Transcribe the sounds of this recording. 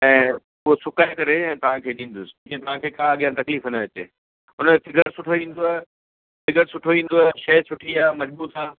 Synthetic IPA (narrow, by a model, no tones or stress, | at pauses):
ɛ̃ː | ʊɦosʊkaːekɐɾeɛ̃ːt̪ɐʋ̤ãkʰeːɗĩːn̆d̪ʊsɪ̥̃kẽt̪ɐʋ̤ãkʰeːkaːɠjãt̪ɐkliːfɪnəʋɐt͡ɕḛ | ʊnəfɪɡəɾsʊʈʰoʋĩːn̆d̪oa | fɪɡəɾsʊʈʰoʋĩːn̆d̪oɐʃɐɦɪsʰʊʈʰiaːmɐd͡ʑbuːt̪aː